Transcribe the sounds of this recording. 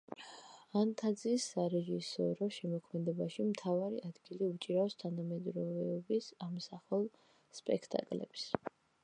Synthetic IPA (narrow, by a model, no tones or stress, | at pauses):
ant̪ʰad̪zisːaɾɛʒisɔ̰ɾɔʃɛmɔkʰmɛd̪ɛbaʃimt̪ʰavaɾiʔad̪ɡiliut͡ʃʼiɾaɔst̪ʰanamɛd̪ɾɔvɛɔbisamsaχɛlˠ | spʼɛkʰt̪ʼa̰kʼlɛ̰bs